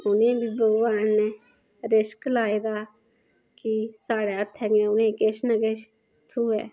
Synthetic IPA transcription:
ʊnẽːbiːbəɡʋaːnneː | ɾɪʃklaːeːd̪aː | kisaːɽeːət̪ʰɦɛːɡẽːʊnẽːkeʃnəkeːʃ | t̪ʰuːɛ̰ː

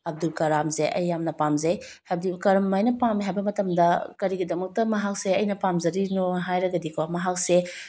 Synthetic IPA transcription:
ɐb̚dulkɐɾamzeʔɐ̰jːamnɐpamzɐjhajbdikɐɾɐmːajnɐpamiɦajbɐmɐtɐmdɐkɐɾiɡidɐmɐk̚tɐmɐɦak̚seɐjnɐpamzɐɾinoɦajɾɐɡɐdikʰomɐɦak̚se

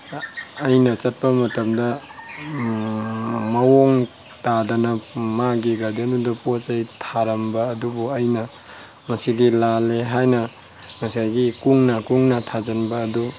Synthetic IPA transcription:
jnɐt͡ʃɐt̚pɐmɐtɐmdɐ | mɐwoŋ | tadanɐmaɡiɡadendudɐpot͡ʃajtʰaɾambɐːdubuɐjnɐ | mɐsidilaleɦajnɐ | mɐsajɡikuŋnakuŋnatʰad͡ʒanbaːdu

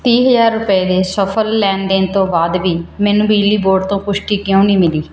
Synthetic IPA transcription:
t̪ĩːɦəzaːɾːʊpəeːd̪eːsəpʰəlːɛːnd̪eːnt̪õːbaːd̪ʋiːmɛːnũːbiːliːboːɖt̪õːpʊʃʈiːkjõːniːmɪliː

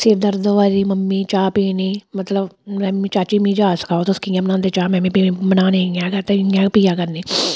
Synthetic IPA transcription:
sɪɾd̪ɐɾd̪əʋaːɾimɐmːit͡ʃaːpiːniːmɐt̪ləbmɛmit͡ʃaːt͡ʃimĩd͡ʒaːsɐ̥kaːt̪oskĩãmnãːnd̪et͡ʃaːmɛ̃mĩpimɐnaːneŋãkɐt̪eŋjãpijaːkɐɾniː

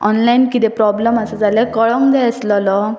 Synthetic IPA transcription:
ɔnlainkit̪ɛpɾɔbləmasəd͡zalekəɭɔŋkd͡zajəslɔlɔ

